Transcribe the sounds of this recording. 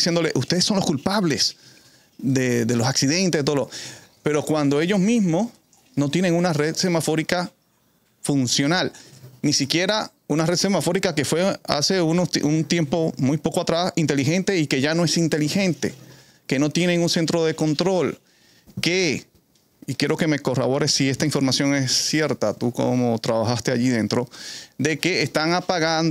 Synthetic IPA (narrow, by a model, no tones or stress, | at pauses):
isje̞nd̪o̞leʔust̪eðesːo̞nlo̞skulpaβle̞s | d̪eðe̞losaksiðe̞nt̪eet̪olope̞ɾo̞kwand̪o̞e̞ʝo̞zmĩzmo̞s | no̞t̪je̞ne̞ŋunare̞ðse̞mafo̞ɾika | funsjo̞nalnisikje̞ɾa | unare̞ðse̞mafo̞ɾikake̞fwe̞a̰se̞unosʔunt̪je̞mpo̞mujpo̞koat̪ɾasint̪elixe̞nt̪e̞ike̞ʝano̞e̞sint̪e̞lixẽ̞nt̪e̞̰ | ke̞no̞t̪je̞ne̞ŋunse̞nt̪ɾo̞ðe̞ko̞nt̪ɾo̞l | ke | ikjeɾo̞ke̞me̞ko̞ra̰βo̞ɾe̞sːie̞st̪aiɱfo̞ɾmasjo̞ŋesːje̞ɾt̪at̪uko̰mo̞t̪ɾaβaxast̪e̞aʝiðe̞nt̪ɾo̞d̪e̞keːst̪aŋapaɣan